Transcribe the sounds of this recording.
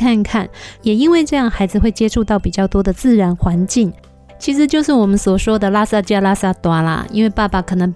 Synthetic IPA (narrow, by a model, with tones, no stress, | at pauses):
kʰa˥˧nkʰa˥˩njɛ˨˩i˥nwe˥˧ɪʈ͡ʂɤ˥˧jɑ˥˩ŋxa˧˥ɪd͡zɹ̩˨˧xwe˥˩ɪt͡ɕjɛ˥ʈ͡ʂʰu˥˧t̪ɑ˥˩ʊpi˨˩t͡ɕjɑ˥˩ʊt̪wɔ˥d̪ə˨t͡sɹ̩˥˩ɻa˧˥nxwa˧˥nt͡ɕi˥˩ŋ | t͡ɕʰi˧˥ʂ̬ɻ̩˧˥t͡ɕjo˥˧ʊʂɻ̩˥˩wɔ˨˩mə˦nswɔ˨˩ʂwɔ˥d̪ə˨la˥sa˥˧t͡ɕja˥˧la˥sa˥˩t̪wa˥lə̰˨ḭ˥nwe˥˧ɪpa˥˩pa˨˩kʰɤ˨˩nɤ˧˥ŋ